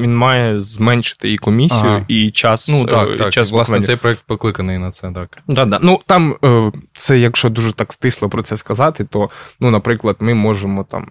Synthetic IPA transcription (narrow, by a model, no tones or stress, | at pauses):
ʋʲinmɑjɛzmɛnʲʃɪ̥t̪ɪjikɔmʲisʲːijʊit͡ʃɑsnuaat͡ʃasˠɑsʋɛɛjpɾɔɛk̚t̪̚pɔklˠɪkɐnɪjnɐt̪sɛt̪akd̪ɑd̪ɑnut̪ɑmt̪sɛjɐkʃt͡ʃɔd̪uʒɛt̪ɑkst̪ɪslˠɔpɾɔt̪sɛskɐzɑt̪ɪt̪ɔnunɐpɾɪklˠɐd̪̥mɪmɔʒemɔt̪ɑ̰m